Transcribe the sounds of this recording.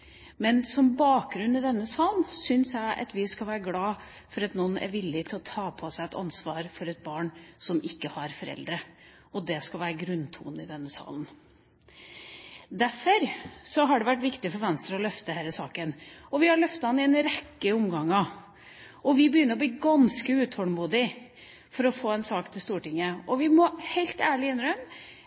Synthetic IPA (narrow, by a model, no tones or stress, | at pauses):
mɛnsɔmbɑːk̚ɡɾʉnːɪd̪ɛnːəsɑːlnsʏnsjæɪʔɑ̰t̪ʋɪskɑlʋæːɾəɡlɑː | fɔɾɑt̪nɔnːʔæ̰ɾʋɪlːɪt̪ʰɪlɔt̪ʰɑːpʰɔsæɪɛt̪ɑ̰nsʋɑːɾfɔɾɛt̪̚bɑːɳsɔmɪkːəhɑɾfɔɾɛ̰ld̪ɾə | ɔd̪ɛskɑlʋæːɾəɡɾʉnt̪ʰṵːnɪd̪ɛnːəsɑ̰ːlən̩ | d̪æfɔɾsɔɦɑɖɛʋæʈʋɪkt̪ɪfɔɾʋɛnst̪ɾəɔlœft̪əhɛːɾəsɑːkənɔʋɪhɑɭœft̪ɑɑnɪɛnɾɛkːəʊmɡɑŋːɑ | ɔʋɪbəjʏnːəɾɔbliːɡɑnskəʉːt̪ʰɔlmuːd̪ɪ | fɔɾɔfoːɛnsɑːkt̪ʰɪlst̪uːʈɪŋːəɔʋɪmɔhɛɪlt̪æːɭɪɪnɾœm